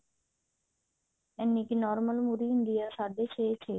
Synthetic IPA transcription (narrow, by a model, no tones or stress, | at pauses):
ɛnːikinɔːɾməlmuɾiɪɳɖ̪ijəɾsad̪et͡ʃʰet͡ʃʰe